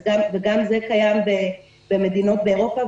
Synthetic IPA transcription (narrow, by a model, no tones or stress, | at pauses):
ɡamveɡamzekajambe | b̥emed̪ino̞t̪̚beeʁo̞pa